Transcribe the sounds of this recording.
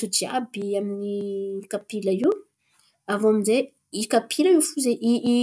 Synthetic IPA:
ut͡ʃia̰biaminikapilaiw | avoaminze | ikapʰilaifuzeʔii

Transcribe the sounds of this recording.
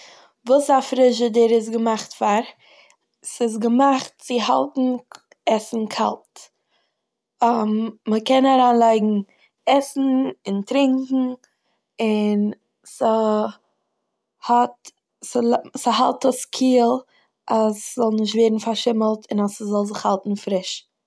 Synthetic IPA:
vuːsafɾɪʃədɪɾɪs̬ɡəmaχtfaɾ | sɪs̬ɡəmaχtt͡sɪha̰lˠtn̩ | ɛsn̩kʰa̰lˠt | mːəkɛnaɾaːnlˠaɪɡŋ̩ | ɛsn̩ɪntɾɪŋkŋ̩ | ɪn | sə | hɔt | səsəɦa̰lˠtɔskʰiːlˠ | ʔaszɔlˠnɪʃ̬tveːɾdn̩faɾʃɪməlˠtʰɪnasəzɔlˠzɪχhalˠtn̩fɾɪʃ

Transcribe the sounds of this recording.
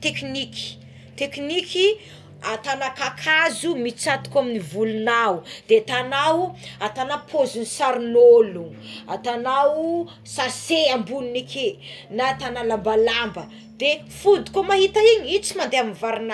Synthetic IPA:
t̪ekniki̥ | t̪ekniki | at̪anakakʰazumit͡sat̪u̥kaminivulunaud̪et̪anawat̪anapʰozinisaɾunolua̰t̪anawu | saseambuninikʰenat̪analambalambə | d̪̥e | fud̪i̥komaɦit̪aiɲiit͡simand̪eaminvaɾina

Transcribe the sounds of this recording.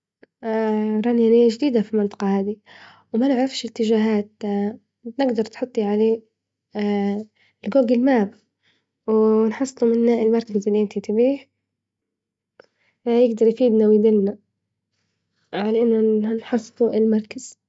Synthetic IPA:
ɾˤɑnjanɪːaʒd̪iːd̪afilmɪnt̪ˤɑ̥qɑhaːd̪i | wmanɪʕɾˤɑfʃɪt̪ːɪʒaːɦaːt̪ | nɪɡd̪ɑɾˤt̪ħʊt̪ˤːiʕaleː | lɡoːɡɪlmaːb | wnħɑsˤːlumɪnːaʔɪlmɑɾˤkazɪlːiʔɪnt̪it̪ɪbiːh | jɪɡd̪ɑɾˤjfiːd̪nawid̪ɪlna | ʕalaʔɪnːʊanħɑsˤːluʔɪlmɑɾˤkaz̥

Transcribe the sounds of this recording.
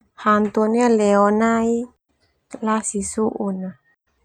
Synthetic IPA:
hant̪ɔnialɛɔnai | lasisuʔuna

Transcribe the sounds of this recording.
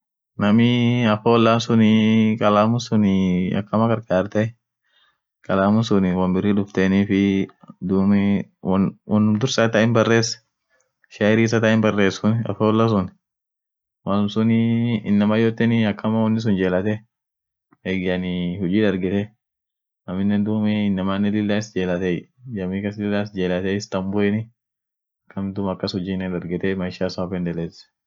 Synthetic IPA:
nɐmɪɐfɐwɔlːansʊnɪkʼɐlaːmʊnsʊnɪɐ̰kːɐmɐkɐɾkʼaːɾt̪ɐ | kʼɐlaːmʊnsʊnɪwɐmbɪrːiᶑʊft̪eːniːfɪd̪uːmɪ | wɐnːʊmd̪ʊɾsɐt̪ɐɪmbɐrːeːs | ʃɐɾiːs̬ɐt̪ɐɪnbɐrːe̞ːsʊnɪɐ̰fɐɔlːɐs̬ʊnɪ | maːlʊmsʊnɪɪnːɐmɐjot̪ːɛnɪɐkʰːɐmɐwɔnːɪs̬ʊnd͡ʒe̞ːlɐt̪ɛ | eɡɐnɪhʊd͡ʒiːd̪ɐɾɡɛt̪ɛ | nɐmɪnːɛnd̪ʊːmɛɪnːɐmaːnːɛlɪlːaɪsd͡ʒeːlɐt̪ɛd͡ʒɐmikɐsɪlɪlːaːsd͡ʒeːlɐt̪ɛɪst̪ɐmbʊɛnɪ | ɐkːɐmd̪ʊmɐkːɐshʊd͡ʒiːnɛd̪ɐɾɡɛt̪ɛmɐɪʃasaːfɛnd̪ɛlɛs

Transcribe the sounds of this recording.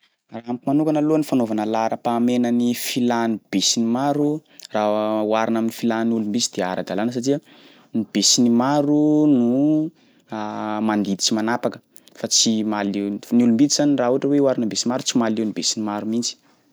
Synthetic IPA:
raamkimanukanəluanifanovanəlaɾəpaːmenənifilanib̥esinimaɾurauaɾinaminifilannulumbisid̪̥ea̰ɾəd̪alanəs̬atiə | nib̥esinimaɾunu | mand̪id̪i̥t͡simanapakə̥ | fat͡simalenulumbit̪izaniraɦuaʈ͡ʂəweuwaɾinəmbesinmaɾut͡simalewnibesinimaɾumint͡si̥

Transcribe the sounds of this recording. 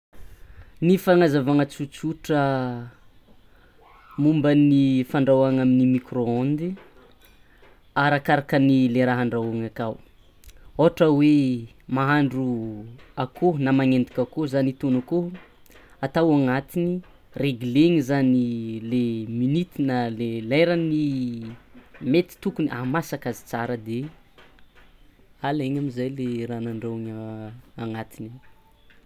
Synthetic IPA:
nifaŋazavaŋat͡sut͡suʈ͡ʂə | mumbənifaɳɖ͡ʐawaŋaminimikroand̪i | aɾakaɾakənileɾaɦaɳɖ͡ʐaaŋakaw | oɦaʈ͡ʂəwe | maɦaɳɖ͡ʐu | akonamaŋend̪ikʲakozanit̪onako | at̪awaŋat̪ini | reɡileŋizanileminit̪inalelajɾani | met̪i̥t̪ukuniʔamasakazi̥t͡saɾəd̪e | aleɲamizajleɾanaɳɖ͡ʐewŋaaŋat̪ini

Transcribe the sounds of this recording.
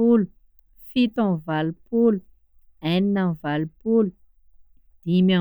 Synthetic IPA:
ulu | fit̪ãnvalupulu | ɛninavalupulu | d̪̥ima

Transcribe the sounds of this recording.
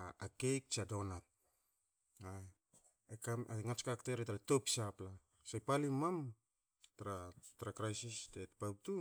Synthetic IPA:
akejk̚t͡ʃadonat̚ | a | ekaaŋat͡ʃkakteɾetaɾato̞psapla | sajpalimam | taɾatɾakɾajsistetpawtu

